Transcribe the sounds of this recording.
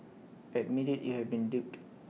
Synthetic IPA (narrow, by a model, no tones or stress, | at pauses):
ɛt̚miditjuhɛvbĩndip̚t